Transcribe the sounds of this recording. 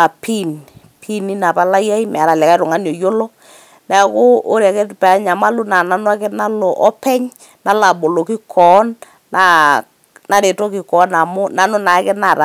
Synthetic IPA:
a˨pi˦n | pʰi˦ni˦na˨pa˦la˦ja˦i˦m˨a˨ɾa˨lɛ˨ka˦ɾʊ˨ŋa˦njo˨jo˦lo˦ | nɛ˨˦ko˦o˦ɾa˨kɛ˦pa˨˦ɲa˨ma˦lu˦na˨na˦nwa˦kɛ˦na˦lo˨ʔɔ˦pɛ˦ɲ | na˦la˨ɓo˨lo˨ki˦kʰɔ˨˦nː | a˨ | na˨ɾe˨to˦ki˨kɔ˨˦na˨mʊ˦na˨nʊ˦na˨˦kɛ˦na˨ɾa˨

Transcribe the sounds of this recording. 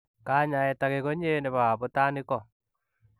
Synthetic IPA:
ka˦ɲa˨ɛ˨take˨ko˦ɲe˦ne˨βa˨a˨po˦ta˦nɪ˦kɔ˨

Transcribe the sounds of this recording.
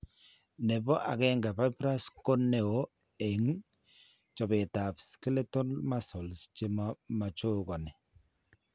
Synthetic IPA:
nɛ˨bɔ˦ʔa˨kɛ˦ŋɡa˨pa˦pɾa˦sko˦ne˦o˨ | e˨ŋ | t͡ʃɔ˨be˨ta˨pske˦le˦to˦nma˦sɔ˨lst͡ʃe˦mama˨t͡ʃo˦kɔ˨nɛ˨

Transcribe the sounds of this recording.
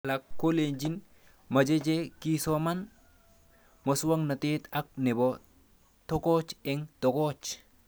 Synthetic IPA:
la˨kːo˦lend͡ʒi˦n | ma˨d͡ʒe˦d͡ʒeki˦soma˦n | mosu˦wa˦ŋna˨te˦t̪a˦k̚ne˨bo | to˦ko˦t͡ʃɛŋto˨kɔt͡ʃ

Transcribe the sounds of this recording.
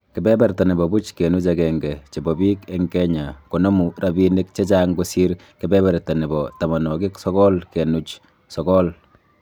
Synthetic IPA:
kɪ˨bɛ˦bɛɾta˨ni˨bɔ˨bu˦t͡ʃke˨nu˦t͡ʃakɛŋɡɛ˨t͡ʃe˨bɔ˨bi˦kɛ˦ŋkɛ˦ɲa˨ko˨nɔ˦mu˨ɾabi˦ne˦k̚t͡ʃe˦t͡ʃa˦ŋɡosi˦ɾ | kɪ˨bɛ˦bɛ˨ɾta˨ni˨bɔta˨ma˨nɔ˨ki˦ksɔ˦kɔ˦lkɛ˨nu˦t͡ʃ | sɔ˨kɔ˦l

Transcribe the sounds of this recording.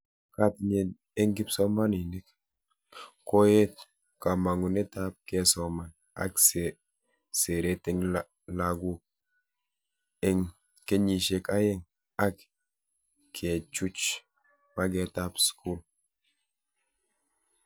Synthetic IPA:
ka˦tɲe˨n | e˦ŋɡi˦pso˦ma˦ni˨ni˦k | ko˦je˦t̚ | ka˨ma˨ŋu˨ne˦tap̚ke˨sɔ˨ma˨n | a̰˨kse | se˨ɾe˦te˦ŋl | laɡu˦k̚ | eŋ | ke˦ɲi˨ʃe˨ka˦je˦ŋ | a˦k | kʰːe˨t͡ʃu˦t͡ʃ | ma˦ɡe˨ta˦psku˦l

